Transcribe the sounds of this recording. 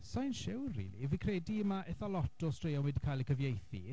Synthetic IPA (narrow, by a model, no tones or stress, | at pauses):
sajnʃɪwrrḭːlivikʰrɛːdiəmaʔɛθɔlˠɔtʰɔstʰrejɔnwɛdikʰajlˠəkʰəvjejθḭ